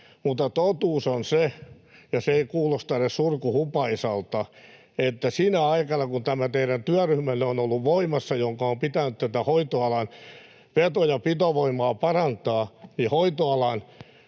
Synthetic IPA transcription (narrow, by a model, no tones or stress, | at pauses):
mut̪ːɑt̪ot̪uːsonse | jɑseeikuːlost̪ɑnessurkuhupɑisɑlt̪ɑ | et̪ːæsinæɑikɑnɑkunt̪æmæt̪eiɾænt̪yæryhmæneonolːuʋʋoimɑsːɑjoŋkɑompit̪ænytt̪æt̪æhoit̪oɑlɑn | pet̪ojɑpit̪oʋoimɑːpɑrɑnt̪ɑːnihoit̪oɑlɑn